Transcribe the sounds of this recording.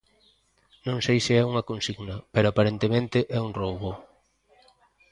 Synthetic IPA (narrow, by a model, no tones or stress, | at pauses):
nõŋsejsɪɛuŋɐkonsiɣnɐpeɾoapaɾent̪emẽnt̪ɪʔɛuŋrowβo